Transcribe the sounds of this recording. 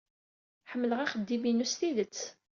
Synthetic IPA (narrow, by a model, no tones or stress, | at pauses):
ħəmːələʁæχəd̪ːiminusθiðət͡sː